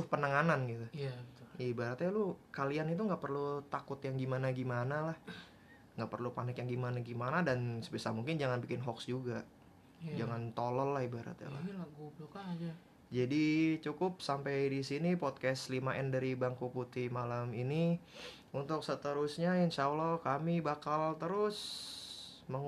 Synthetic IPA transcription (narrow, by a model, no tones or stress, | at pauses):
tʊhpənəŋananɡit̪uaət̪ibaɾat̪ɲalukalianit̪̬uŋɡaʔpərlut̪akʊt̪jaŋɡimanaɡimanalah | ŋɡaʔpərlupanɪkjaŋɡimanaɡimanadansəbisamuŋkɪnd͡ʒaŋanbikɪnɦɔksd͡ʒuɡa | d͡ʒaŋant̪olɔlːahibaɾa̰t̪̚ɲa̰la̰hɡublokad͡ʒa | d͡ʒadit͡ʃukʊp̚sampejdisinipɔt̪̚kɛslimaʔɛndaɾibaŋkuput̪imalamini | unt̪ʊk̚sət̪əɾʊsɲaɪnt͡ʃawlɔkamibakalt̪əɾʊs | məŋ